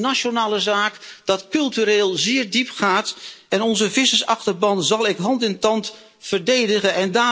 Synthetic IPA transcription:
naʃonaːləzaːkd̥ɑtkɵlˠtyɾeːlˠzɪːrdipχaːtɛnɔnzəvɪsəsɑχtərbɑntzɑlˠɪkɦɑntɪntɑnt | fərdejdəɣəɛndaː

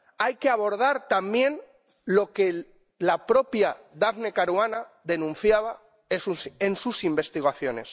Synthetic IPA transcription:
ajkeaβo̞ɾð̞aɾt̪ambje̞n | lo̞ke̞ | lapɾo̞pjaðaβne̞kaɾwanaðe̞nũnθjaβ̞a | esusensusimbe̞st̪iɣaθjo̞ne̞s

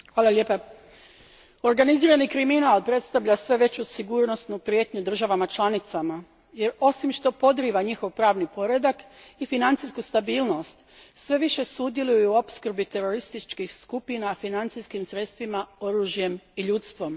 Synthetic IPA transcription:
xʋaːlaʎepa | o̞ɾɡaniziːɾanikɾiminalˠpɾe̞t̪st̪aʋʎasʋe̞ʋe̞t͡ɕusiɡuːɾno̞snupɾje̞ːt̪ɲud̪r̩ʒaʋamat͡ʃlˠanit̪sama | je̞ɾo̞simʃt̪o̞po̞d̪ɾiʋaɲixo̞ʋpɾaːʋnipo̞ɾed̪akifinant̪siskust̪abiːlno̞st̪sʋe̞ʋiʃe̞sud̪je̞lujjuopskr̩bit̪e̞ɾo̞ɾist̪it͡ʃkixskupinafinant̪siskimsɾe̞t̪st̪ʋimao̞ɾuʒje̞miʎut̪st̪ʋo̞m

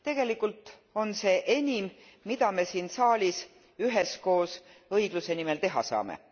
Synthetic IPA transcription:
t̪e̞ɡ̥e̞likːˑult̪ˑ | o̞nse̞ʔenʲimː | id̪̥ɑme̞siːnsɑːlʲis | yɦesko̞ːs | ɤiɡ̥luse̞nime̞lt̪e̞ɦɑ̰sɑ̰ːmḛ

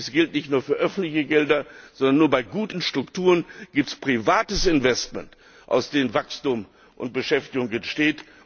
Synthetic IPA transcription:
sɡ̥ɪltnɪçtnuːɐfyːɐʔœfn̩tlɪçəɡɛldɐz̥ɔndɐnːuːɐbaɪɡuːtn̩ʃtʁ̥ʊktuːʁənɡ̥iːp̚tspʁ̥ivaːtəsɪnvɛstmɛ̰nt | ʔa̰ʊsd̥eːənvakstuːm | ʔʊ̰nt̚b̥əʃɛftɪɡʊŋɛnʃteːt

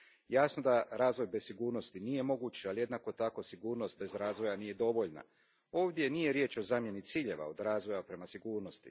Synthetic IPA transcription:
jaːsno̞d̪aɾaːzʋo̞jbe̞siɡuːɾno̞st̪inije̞mo̞ɡut͡ɕalije̞d̪nako̞t̪ako̞siɡuːɾno̞st̪̚be̞zɾaːzʋo̞janije̞d̪o̞ʋo̞ʎna̰ | o̞ːʋd̪je̞nije̞ɾje̞ːt͡ʃo̞zaːmje̞nit̪siːʎe̞ʋa̰o̞d̪ɾaːzʋo̞japɾe̞masiɡuːɾno̞st̪i

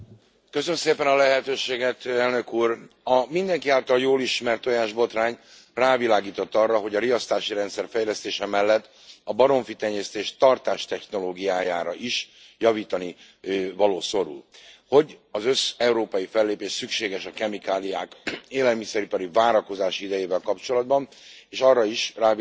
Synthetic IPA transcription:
kø̞sønmseːpɛnɒlɛɦɛt̪øːʃeːɡɛt̪ɛlnø̞kuːrɒmind̪ɛŋkiaːlt̪ɒljoːliʃmɛrt̪o̞jaːʒbo̞t̪raːɲ | raːvilaːɡiːt̪o̞t̪ːɒrːɒɦo̞ɟɒɾijɒst̪aːʃiɾɛnt̪sɛrfɛjlɛst̪eːʃɛmɛlːɛt̪ː | ɒbɒɾo̞ɱfit̪ɛɲːɛst̪eːʃt̪ɒrt̪aːʃt̪ɛxno̞loːɡijaːjaːɾɒʔiʃ | jɒviːt̪ɒni | vɒloːso̞ɾṵlho̞ɟɒzø̞sɛuɾoːpɒjifɛlːeːpeːʃsykʃeːɡɛʃɒkɛmikaːlijaːkeːlɛlmisɛɾipɒɾivaːɾɒko̞zaːʃiid̪ɛjeːvɛlkɒpt͡ʃo̞lɒd̪bɒn | eːʃɒrːɒiʃraː

